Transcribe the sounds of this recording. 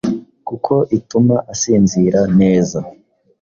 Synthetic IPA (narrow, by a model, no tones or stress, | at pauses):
kukʰo̞ʔitumaʔasiːnziɾane̞ːza